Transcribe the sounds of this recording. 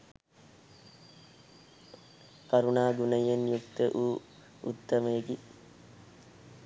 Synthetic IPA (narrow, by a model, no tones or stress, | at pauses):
kɐɾunaːɡunɐjenjukt̪əʔuː | ut̪ːɐmeeɡi